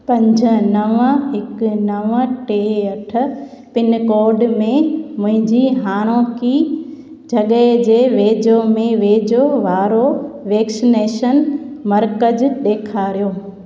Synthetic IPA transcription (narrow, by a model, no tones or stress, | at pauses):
pɐ̃ɲd͡ʑʱə̆nɐʋəɦɪknɐʋəʈeːɐʈʰʊ̆ | pɪnkoːɾɖmẽmʊ̃ɦɪ̃ɲd͡ʑiːɦaːɽ̃õːki | d͡ʑʱɐɠəd͡ʑeːʋeːd͡ʑomẽʋeːd͡ʑoʋaːɾoʋeːksɪneːʃənmɐɾkəd͡ʑɗ̪eːkʰaːɾijoː